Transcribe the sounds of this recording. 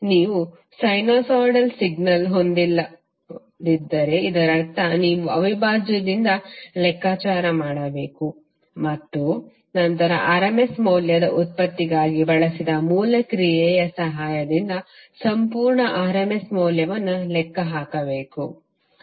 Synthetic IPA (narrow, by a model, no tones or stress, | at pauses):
niːʋu | sɐjnoːsaːɖɐlsiɡ̚nɐlɦond̪ilːɐ | d̪id̪ːɐɾe̞id̪ɐɾɐt̪ɐniːʋuɐʋibʱaːd͡ʒɐd̪ind̪ɐlɛkːaːt͡ʃaːɾɐmaːɽɐbe̞ːku | mɐt̪ːu | nɐnt̪ɐɾɐ̰ʔɐɾɐmesmoːljɐd̪ɐʔut̪̚pɐt̪ːiɡaːɡibɐɭɐsid̪ɐmuːlɐkɾijɛːjɐsɐɦaːjɐd̪ind̪ɐsɐmpuːɾɳɐʔaːɾɐmesmoːljɐʋɐnːulɛkːɐɦaːkɐbeːku